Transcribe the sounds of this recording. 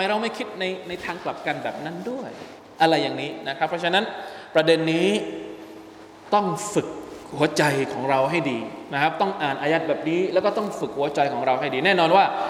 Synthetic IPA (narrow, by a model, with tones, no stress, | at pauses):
ma˧jɾa˧wma˥˩jkʰi˦˥t̪̚na˧jna˧jt̪ʰaː˧ŋkla˨˩p̚ka˧nbɛ̰ː˨˩p̚na˦˥˩ndu˥˩əj | ʔa˧ɾa˧jːaː˨˩ŋniː˦˥na˦˥kʰɾa˦˥pʰːɔ˧˥t͡ɕʰa˧˥nːa˦˥npɾa˧de˧nːiː˦˥ | t̪ɔ˥˩ŋfɯ˨˩k̚hu˨˩˦ɐt͡ɕa˧jkʰɔː˩˦ŋɾa˧wɦa˥˩jdiː˧na˦˥kʰp̚t̪ɔ˥˩ŋʔaː˨˩nʔaː˧jaː˦˥t̪̚bɛː˨˩p̚niː˦˥lɛː˦˥wkɔː˥˩t̪ɔ˥˩ŋfɯ˨˩k̚hu˩˦ɐt͡ɕa˧jkʰɔː˩˦ŋɾa˧wɦa˥˩jdiː˧nɛː˥˩nɔː˧nwaː˥˩